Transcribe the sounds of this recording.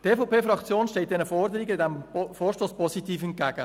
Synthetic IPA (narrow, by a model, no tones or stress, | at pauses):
teːfɔpeːfrɑkt͡sjoːnʃtɛlt̚d̥̪ɛnəfɔrdəɾiɡədɛmfoːɾʃtoːspʰɔsitiːfɛnt̚ɡ̥æɡ̥ə